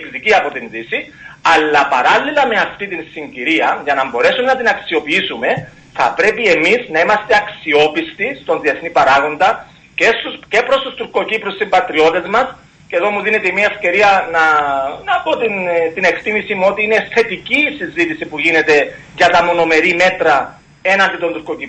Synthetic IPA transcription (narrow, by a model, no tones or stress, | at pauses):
kðiciɐpo̞t̪inðisi | ɐlːɐpɐɾɐlːilɐme̞ɐft̪it̪insiɲɟiɾiɐʝɐnɐmbo̞ɾe̞sumenɐt̪inɐksio̞piisume̞ | θɐ̰pɾe̞pie̞miznɐimɐst̪e̞ɐksio̞pist̪ist̪o̞nðieθnipɐɾaɣo̞nd̪ɐ | ce̞st̪uce̞pɾo̞st̪ust̪uɾko̞cipɾussimbɐt̪ɾio̞t̪e̞zmɐs | ceðo̞muðine̞t̪eimiɐefce̞ɾiɐnɐnɐpo̞t̪int̪ine̞kt̪imisimuo̞t̪iine̞θe̞t̪iciːsizit̪isipuʝine̞t̪e̞ʝɐt̪ɐmo̞no̞me̞ɾime̞t̪ɾɐ | e̞nɐnd̪it̪ont̪uɾko̞cip